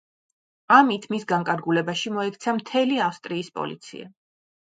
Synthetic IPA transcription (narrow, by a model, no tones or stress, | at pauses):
amit̪ʰmisɡaŋkʼaɾɡulɛbaʃimɔɛkʰt̪sʰamt̪ʰɛliafst̪ʼɾiːspʼɔ̰lḭt̪sʰḭa̰